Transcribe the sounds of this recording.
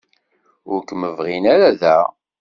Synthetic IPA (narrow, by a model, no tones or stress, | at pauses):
ʊɾkːməvʁinæɾaðæ